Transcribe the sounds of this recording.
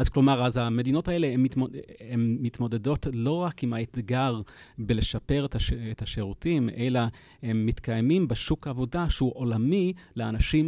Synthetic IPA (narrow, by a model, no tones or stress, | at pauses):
azklo̞maʁazame̞dino̞tae̞le̞mioemːit̪mo̞de̞do̞tlo̞ʁakimhaet̪ɡaʁbele̞ʃape̞ʁetaʃeʁutime̞la | he̞mːitkajmimbeʃukaːvo̞daʃeuʔo̞lamileanaʃim